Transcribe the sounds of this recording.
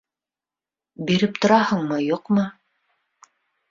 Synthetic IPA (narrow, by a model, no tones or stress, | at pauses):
biɾɘp̚t̪ŏɾɑhɤɴmɤjuqmɤ